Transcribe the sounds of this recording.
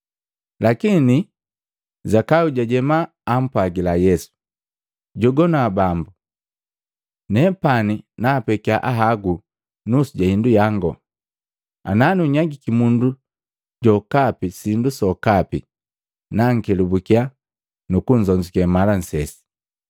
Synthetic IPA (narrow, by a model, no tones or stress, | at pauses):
lakini | zakauɟaɟɛmaː | m̩pwaɡilajɛsu̥ | ɟɔɡɔnabambu | nɛpaninapɛkiaʔaɦaɡu | nusuɟahindujaŋɡɔ̰ | a̰naniuɲaɡikimundu | ɟɔkapisindusɔkapḭ | naŋ̩kɛlubukia | nukuɲ̩zɔɲd͡ʒikamalan̩sɛsi̥